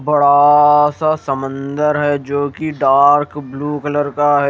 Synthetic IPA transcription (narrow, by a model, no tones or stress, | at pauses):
bɐɽasasɐmə̃nd̪əɾɦɛd͡ʒoːkiɖaːɾkbluːkələɾkaɦɛ